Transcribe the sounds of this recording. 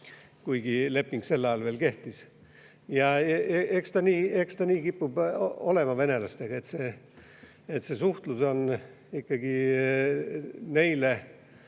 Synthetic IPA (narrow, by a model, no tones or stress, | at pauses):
kujɡ̥ile̞pːiŋɡ̥se̞lːɑjɑlveːlke̞ht̪is | jɑeekst̪ɑniːe̞kst̪ɑniːkipːubo̞le̞mɑve̞ne̞lɑst̪e̞ɡ̥ɑe̞t̪se̞ː | et̪sesuht̪luso̞n | ikːɑɡi | ne̞jle